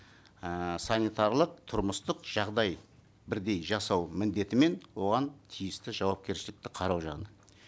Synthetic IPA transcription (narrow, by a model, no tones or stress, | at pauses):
sanijt̪ɑɾlˠəq̚t̪ʰʊɾməst̪əqʒ̥ɑʁd̪ɑj | bɪɾd̪e̞jʒɑsɑwmɪnd̪e̞t̪ɪme̞nwo̞ʁɑnt̪ʰijɪst̪ɪʒɑwɑp̚kʲe̞ɾʃɪlɪk̚t̪ɪqʰɑɾɑwʒɑʁnə